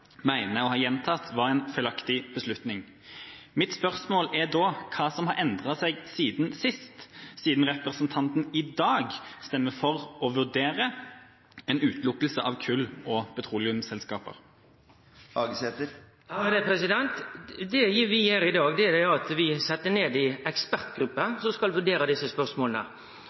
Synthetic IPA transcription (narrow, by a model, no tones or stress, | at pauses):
mæɪnəɔhɑːjɛnt̪ʰɑt̪ʋɑʁɛɪnfœʏlɑkt̪ɪb̥əslʉt̪nɪŋ | mɪt̪spœʁsmoːlæd̪ɔːkʰɑːsɔmhɑɾɛnd̪ʁɑsæɪɡsiːd̪nsɪst̪siːd̪n̩ʁɛpʁəsənt̪ʰɑnt̪n̩ɪd̪ɑːɡst̪ɛmːəfɔʁɔʋʉʁd̪eːʁə | ɛnʉːt̪lʊkːəlsəʔɑʋkʰʉlːɔpʰɛt̪ʰʁuːlɪʉmsɛlskɑːpə̰ʁ | ɑɡsɛt̪ə | ɑd̪ɛpʰɾɛsɪd̪ɛnt̪d̪ɛʋɪjøːɾɪd̪ɑːɡd̪ɛæd̪ɛɑt̪ʋɪsɛt̪ːəneːd̪ɪɛkspæɾt̪ɡɾʉpːəsɔskɑlʋʉɖeːɾɑd̪ɪsəspœɾsmoːlənə̰